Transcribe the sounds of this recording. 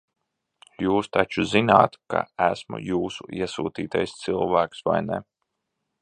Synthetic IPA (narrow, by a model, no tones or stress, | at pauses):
juːst̪at͡ʃuzinaːt̪ka̰æsmṵjuːsuiɛsuːt̪iːt̪ajst̪silˠvæːksva̰jnɛ̰